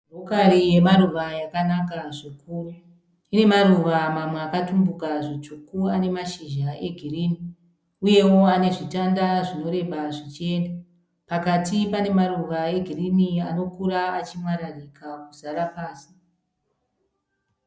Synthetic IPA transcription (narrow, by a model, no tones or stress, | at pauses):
bʱokarije̞maruʋajakanakaʐokuːru | ine̞maɾuʋamamweakatumbukaʐot͡ʃukuane̞maʃiʒae̞ɡʱiriːni | uje̞wo̞ane̞ʐitandaʐino̞ɾe̞ʋaʐit͡ʃie̞ːnda | pakatipane̞maɾuʋae̞ɡʱiriniano̞kuɾaat͡ʃimwaɾarikʰakuzaɾapaːsi̥